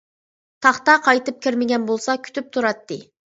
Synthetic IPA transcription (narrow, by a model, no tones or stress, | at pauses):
t̪ʰɑχt̪ɑqʰɑjt̪ɨp̚kʲʰiɾmɪɡʲɛnbolˠsɑkʲʰy̥t̪ʰyp̚t̪ʰuɾɑt̪ːɨ